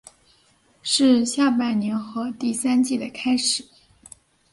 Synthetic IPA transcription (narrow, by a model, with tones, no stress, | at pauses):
ʂɻ̩˥˧ɕja˥˩pa˥˩ɪnjɛ˧˥nxɤ˧˥t̪i˥˩sa˥nt͡ɕi˥˩d̪ə˩kʰa˥ɪʂɻ̩˨˩˦